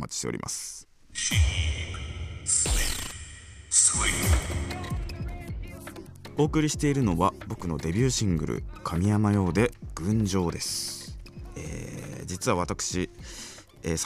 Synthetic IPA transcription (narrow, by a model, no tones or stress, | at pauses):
mat͡ɕi̥ɕt̪eo̰ɾimʔa̰sɨ̥ | ɕi | sli | swi | o̞ːkɯ̟ɾʲiɕi̥t̪e̞iɾɯ̟no̞βabo̞kɯ̟no̞d̪e̞bʲɨːɕĩŋɡɯ̟̰ɾɯ̟̰kʰamʲijamajo̞ːd̪e̞ɡ̥ɯ̟̃ɲ̟d͡ʑo̞ːd̪e̞sɨ̥ | ḛːd͡ʑit͡sɨβaβ̞at̪akɯ̟̥ɕi | eːs